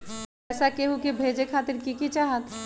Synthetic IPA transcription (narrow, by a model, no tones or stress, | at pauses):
ɛːsakeɦukebʱeːd͡ʒekʰaːt̪ɪɾkikit͡ʃaːɦət̪